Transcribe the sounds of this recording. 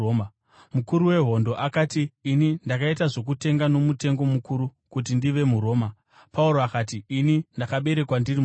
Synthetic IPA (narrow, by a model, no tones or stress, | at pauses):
mukuɾuwe̞ɦo̞ndo̞ʔakaːtiːnindakaitaʐo̞k̬ute̞ŋɡano̞mute̞ŋɡo̞mukuɾukut̬indiʋe̞muɾo̞ːma | pauɾo̞akaːtiːnindakaɓe̞ɾe̞kwandiri